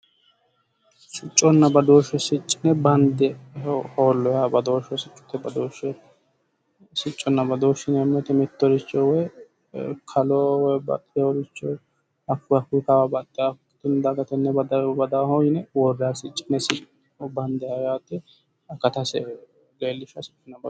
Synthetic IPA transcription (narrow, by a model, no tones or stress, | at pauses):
sɪt͡ʃʼːɔnːɐbɐd̪oːʃɛsɪt͡ʃʼːɪnɛbɐnd̪ɛhoːlːɔjabɐd̪oːʃɔsɪt͡ʃʼːʊ̥t̪ːɛbɐd̪oːʃɛ | sɪt͡ʃʼːɔnːɐbɐd̪oːʃɪnɛɐmːɛt̪ɛmɪt̪ːɔɾɪt͡ʃːɔwɔj | kʰɐlɔwɔjbɐ̰t̪ʼːɪjɔɾɪt͡ʃːɔ | ɐfːʊɐkːʊjkɐwabɐt̪ʼːɪjakːɪt̪ɪnd̪ɐɡɐt̪ɛnːɛbɐd̪ɐbɐd̪aːhɔjɪnɛwɔrːjasɪt͡ʃʼːɪnɛsɪ | bɐnd̪ɛɐjaːt̪ːɛ | ɐkːɐt̪ɐsɛ | ɡeːlːɪʃɐsɪ̥t͡ʃʼːɔnːɐbɐ